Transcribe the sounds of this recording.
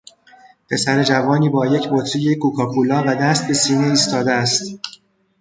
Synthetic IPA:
pʰe̞sæɾe̞d͡ʒævɒːniːbɒːje̞cʰbot̪ʰɾijekʰuːkʰɒːkʰulɒːvæd̪æst̪̚be̞siːneiːst̪ɒːd̪eæst̪

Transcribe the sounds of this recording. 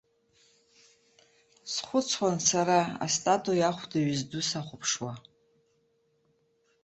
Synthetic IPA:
sχʷʊt͡sʰwansaɾaa̰stʼatʼujaχʷdaɥizdusaχʷʊpʰʂwa

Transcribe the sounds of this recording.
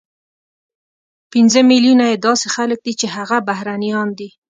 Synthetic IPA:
pinzəmiljunajed̪ɑsexalək̚d̪it͡ʃeɦaɣabaɦɾanijɑnd̪i

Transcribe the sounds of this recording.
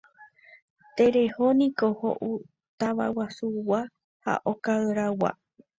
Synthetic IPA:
t̪e̞ɾe̞honĩkoho̰ʔu | t̪aʋa̰wasuwa | ha̰ʔokaɨɾawa̰

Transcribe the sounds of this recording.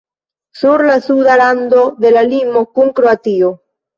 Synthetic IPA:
suɾlasuðaɾand̪oðelalimokuŋkɾoat̪io

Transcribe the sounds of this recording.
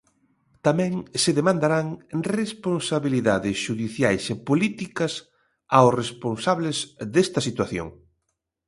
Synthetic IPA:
t̪amɛ̃ŋsɪðemãnd̪aɾaŋresponsaβiliðaðɪsʃuðiθjajsepolit̪ikɐs | awsresponsaβlɪzðest̪ɐsit̪waθjo̰ŋ

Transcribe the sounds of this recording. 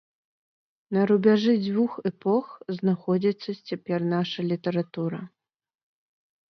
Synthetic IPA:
nɐɾubʲaʐɨd͡zʲvuxɛpɔxznaxɔd͡zʲit̪sːɐt͡sʲapʲɛrnaʂɐlʲit̪ɐɾat̪uɾɐ

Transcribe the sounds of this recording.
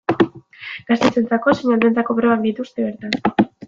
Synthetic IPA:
ɡ̥ast̪e̞t͡se̞nt͡sako̞seɲald̪e̞nt͡sako̞pɾo̞βak̚d̪it̪ust̪e̞βe̞ɾt̪an

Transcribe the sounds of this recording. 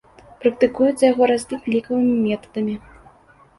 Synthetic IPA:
pɾɐk̚t̪ɨkujut͡s̪ʲɐjaɣɔɾazʲnʲik̪ʲlʲikɐvɨmʲimʲɛt̪ɐ̥d̪ɐmʲi

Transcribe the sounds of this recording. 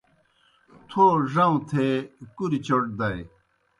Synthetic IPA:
t̪ʰoʐɐ̃ũt̪ʰekuɾit͡ɕoʈ̚d̪ɐj

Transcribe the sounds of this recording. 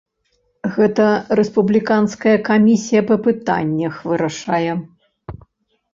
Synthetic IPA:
ɣɛt̪ɐɾɛspublʲikanskɐjɐkamʲisʲijɐpɐpɨt̪a̰nʲːɐxvɨɾɐʂajɛ

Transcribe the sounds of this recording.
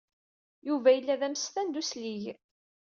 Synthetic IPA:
juvæjəlːæðæmsθænd̪usliʝ

